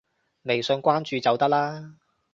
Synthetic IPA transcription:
me˨˩jsɵ˧ŋkʷaː˥nt͡ʃyː˨˧t͡sɐ˨˧wt̪ɐ˥k̚laː˥

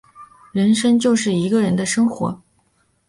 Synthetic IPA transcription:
ɻə˧˥nʂə˥ŋt͡ɕjo˥˧ʊʂɻ̩˥˩i˧˥ɡə˧ɻə˧˥nd̪ə˧ʂɤ˥ŋxwɔ̰˧˥

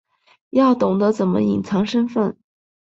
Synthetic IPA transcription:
jɑ˥˩ʊt̪ʊ˨˩ŋd̪ə˦t͡sə˨˩nmə̰˦ḭ˨˩ŋt͡sʰɑ˧˥ŋʂə˥nfə˥˩n

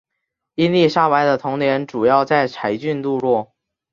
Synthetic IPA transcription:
i˥nli˥˧ʂa˥˩wa˧˥ɪd̪ə˧t̪ʰʊ˧˥ŋnjɛ˧˥nʈ͡ʂu˨˩jɑ˥˧ʊt͡sa˥˩ɪt͡sʰa˧˥ɪt͡ɕy˥˧nt̪u˥˧ɻwɔ˥˩

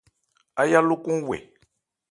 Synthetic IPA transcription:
a˦ja˦lʊ˦ku˦wɛ̰˨

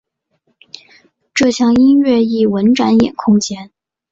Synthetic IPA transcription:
ʈ͡ʂɤ˥˩ɕʰjɑ˥˩ŋi˥nɥɛ˥˧i˥˩wə˧˥nʈ͡ʂa˧˥njɛ̰˨˩nkʰʊ˥ŋt͡ɕjɛ˥n

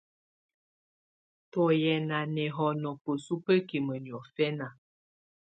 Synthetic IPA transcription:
tɔ˨jɛ˨na˨nɛ˨ɦɔ˨nɔ˨pə˨su˦pə˦ki˨mə˨ni˨ɔ˨fɛ˦na˨

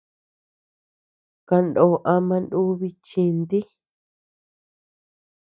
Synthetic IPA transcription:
ka˧ndõː˨ʔa˧mã˧ndu˦βi˧t͡ʃĩ˧nd̪i˦

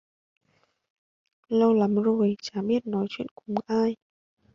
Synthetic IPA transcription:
lə˧wla˨˦mzo˨˩jt͡ɕaː˨˦ɓi˦˥ət̚nɔ˨˦jt͡ɕwḭ˧˨ənkʊ˧˨˧ŋ͡mʔaː˧j

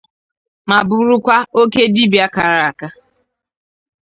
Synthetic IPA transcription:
ma˨bʊ˨ɾʊ˦kʷa˦o˦ke˦di˦bja˦ka˨ɾa˨a˨ka˦

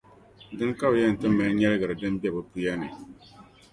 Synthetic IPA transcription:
dɨ˦ŋka˦bjɛ˦˨n̩˨tɨ˦mːɨ˨lɲɛ˦lɨ˦ɡɨ˨ɾɨ˨dɨ˦mbɛ˦˨bɨ˦pu˦jɛ˦nɨ˨

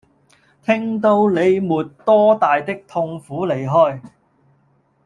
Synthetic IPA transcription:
t̪ʰɪ˥ŋt̪o˧wle˨˧jmuː˨t̚t̪ɔː˥t̪aː˨jt̪ɪ˥k̚t̪ʰʊ˧ŋfuː˨˥le˨˩jɦɔː˥j

